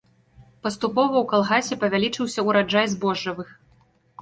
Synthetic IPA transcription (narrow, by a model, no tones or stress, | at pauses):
pɐst̪upɔvɐwkalˠɣasʲɛpɐvʲalʲit͡ʂɨwsʲɐuɾad͡ʐajzbɔʐɐvɨx